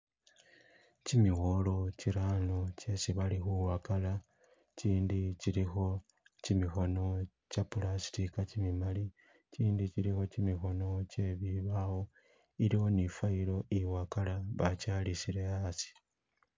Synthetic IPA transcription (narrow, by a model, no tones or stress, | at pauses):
cimiɣo̞lo̞ciɾanoce̞siβalixuwakala | ciːndiciɾixo̞ | cimixo̞no̞ | capulasi̥tikacimimali | ciːndit͡ʃiɾixo̞cimixo̞no̞ce̞βiβawo̞ | iɾiwo̞nifailo̞iwakalaβacalisiɾe̞asi̥